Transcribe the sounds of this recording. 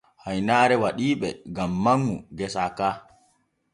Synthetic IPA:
hajnaːɾɛwaɗiːɓɛɡamːaŋːuɡɛsaːkaː

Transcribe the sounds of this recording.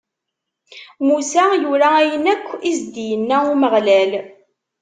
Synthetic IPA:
musæjuɾææjənækʷːizd̪ijənːæuməʁlæl

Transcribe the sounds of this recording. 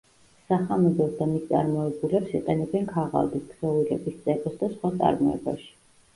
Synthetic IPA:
saχamɛd̪ɔd̪amist̪sʼa̰ɾmɔɛbulɛpsiqʼɛnɛbɛnkʰaʁa̰lˠd̪isbz̥ɔviɾɛ̰bist̪sʼɛkʼɔsd̪asχwat̪sʼa̰ɾmɔɛ̰ba̰ʃi̥

